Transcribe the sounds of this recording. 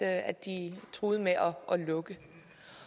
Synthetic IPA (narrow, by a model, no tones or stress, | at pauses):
ædd̥it͡sʰʁoːð̞̩ˠəmeʔɒʔɒ̽lɔ̽ɡ̥ə